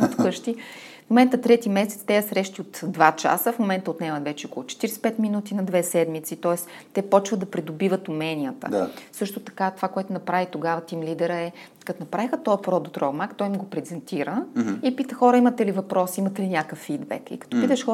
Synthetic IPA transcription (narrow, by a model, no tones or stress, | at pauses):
t̪kɤʃt̪i | fmomɛnt̪ət̪ɾɛt̪imɛsɛt̪st̪ɛjɐsɾɛʃt̪iot̪d̪vat͡ʃa̰səfmomɛnt̪əot̪nɛmɐvɛt͡ʃɛokolˠʊt͡ʃɛ̥t̪iɾɛspɛt̪minut̪inɐd̪vɛsɛd̪mit̪sit̪ɔɛs | t̪ɛpɔt͡ʃvəd̪ɐpɾid̪obivət̪umɛnʲijət̪ə̰sɤʃt̪ot̪ɐ̥kat̪ov̥akoɛt̪ʊnɐpɾavit̪oɡavɐt̪imlid̪ɛɾəɛ | kɐt̪onɐpɾavixət̪ɔəpɾɔd̪ot̪ɾɔmakt̪ɔjmɡopɾɛzɛnt̪iɾəipit̪xɔɾəimɐt̪ɛlivɐpɾɔsiimɐt̪ɛlinʲakəfːid̪bɛ̰kḭkɐ̥t̪ɔpit̪ɛʃxɔ